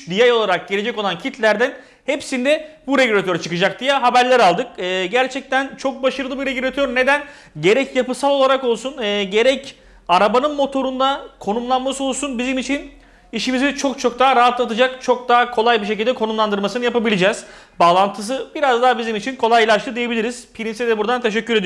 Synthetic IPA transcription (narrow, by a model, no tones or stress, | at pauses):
d̪ijajo̞lˠaɾak̚ɟeɾʲe̞d͡ʒɛco̞lˠancʰit̪ʰlʲæɾd̪æn | hepsind̪ɛbuɾeɟyɾat̪ʰøɾat͡ʃʰɯkɯd͡ʒak̚d̪ijaɦabæɾlʲæɾalˠd̪ɯk̚ɯːɟæɾt͡ʃʰɛc̚t̪ʰænt͡ʃʰo̞k̚baʃɯɾɯlˠɯbiɾeɟyɾat̪ʰøɾne̞d̪æn | ɟe̞ɾɛcjapɯsalˠo̞lˠaɾako̞lˠsunɛːɟe̞ɾɛc | aɾabanɯnmo̞t̪ʰo̞ɾund̪akʰo̞numlˠanmaso̞lˠsunbizimit͡ʃʰin | iʃimizit͡ʃʰo̞kt͡ʃʰo̞k̚d̪aːɾaɦat̪lˠat̪ɯd͡ʒakt͡ʃʰo̞k̚d̪akʰo̞lˠajbiʃ̬ec̬ilʲd̪ɛkʰo̞numlˠand̪ɯɾmasɯnɯjapabilʲid͡ʒɛːz̥ | baːlˠant̪ʰɯs̬ɯbiɾazd̪aːbizimit͡ʃʰinkʰo̞lˠajlʲˠaʃlˠɯd̪ijebilʲiɾiz̥pʰiɾinsed̪ɛbuɾd̪ant̪ʰe̞ʃ̬ɛcːyɾe̞d̪ij